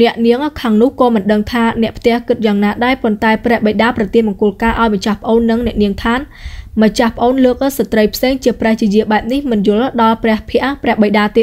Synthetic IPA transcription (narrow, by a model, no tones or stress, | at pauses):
nɛ̆əʔniəŋkʰaŋnʊ̆əhkɑːmɨnɗəŋt̪ʰaːnɛ̆əʔpʰt̪ɛ̆əhkɨt̪̚jaːŋnaːɗaɛpont̪aɛprɛ̆əhɓəjɗaːprɑt̪iənɓɑŋkʊ̆əlkaːʔaɔjməɲt͡ɕahpə̆ʔoːnːɨŋnɛ̆əʔniəŋt̪ʰaːnmət͡ɕahpə̆ʔoːnləːk̚ʔsat̪rəjpʰseːŋt͡ɕiəprɛ̆əht͡ɕiəjiəɓaɛp̚nihmɨnjʊ̆əlɗɑlprɛ̆əhpʰɛ̆əʔprɛ̆əhɓəjɗaːt̪eːt̪̚